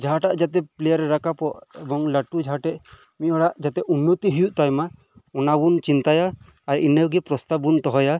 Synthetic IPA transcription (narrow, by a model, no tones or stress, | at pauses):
d͡ʒaɦaʈaʔd͡ʒat̪ɛplɛjaɾɛɾakapɔʔɛbɔŋlaʈud͡ʒaɦaʈɛʔ | miʔɔɽaʔd͡ʒat̪ɛʔunːɔt̪iɦujuʔt̪ajma | ɔnabunt͡ʃint̪ajaː | ɾḭnewɡɛpɾɔst̪abunt̪ɔɦɔja